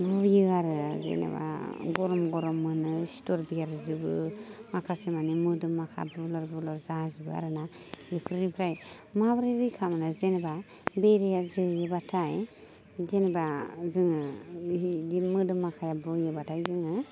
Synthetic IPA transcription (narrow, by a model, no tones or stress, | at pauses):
bujɯaɾɯzḛnḛba̰ɡɔɾɔmɡɔɾɔmːɯnɯstɔɾbijaɾzɯbɯmakʰasemanimɯdɯmːakʰa̰bulɔɾbulɔɾzazibɯa̰ɾɯnajɯpʰɾɾipʰɾaj | mabɾeɾikʰamanazenba | beɾejazɯjɯbatʰaj | zenebazɯŋɯidimɯdɯmːakʰajabujɯbatʰajzɯŋɯ